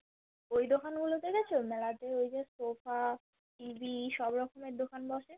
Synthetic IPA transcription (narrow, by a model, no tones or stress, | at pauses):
ojd̪okʰanɡulot̪eɡɛt͡ɕʰomɛlad̪eojd͡ʑesofa | ʈibiʃɔbɾɔkʰomeɾd̪okʰanbɔʃe